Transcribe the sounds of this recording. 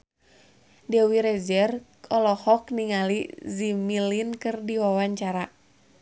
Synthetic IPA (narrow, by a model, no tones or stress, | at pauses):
dɛwiɾɛzɛrkʰɔlɔhɔk̚niŋalizimilinkɨrdiwawaɲt͡ʃaɾa